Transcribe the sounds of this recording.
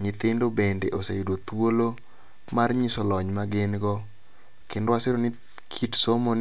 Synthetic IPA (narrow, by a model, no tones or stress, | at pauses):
ŋɪt̪ɪndobendeʔosejdot̪wolo | marɲisɔlɔɲmaɡɪnɡɔ | kɪndwaseɾonɪ | kʰitsomon